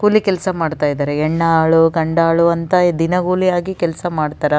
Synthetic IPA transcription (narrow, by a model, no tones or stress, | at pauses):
ɡuːlikɛlsɐmaːɖt̪aːjd̪aːɾeɛɳːaːɭuɡɐɳɖaːɭuɐnt̪ɐd̪inɐɡuːlijaːɡikɛlsɐmaːɖt̪aːɾɐ